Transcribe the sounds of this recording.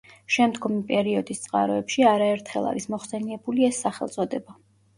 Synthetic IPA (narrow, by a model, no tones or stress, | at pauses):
ʃɛmd̪ɡɔmipʼɛɾiɔd̪ist̪sʼqʼa̰ɾɔɛpʃiaɾaɛɾt̪ʰχɛ̰lˠa̰ɾismɔχsɛniɛbuliɛsːaχɛlˠt̪sʼɔd̪ɛba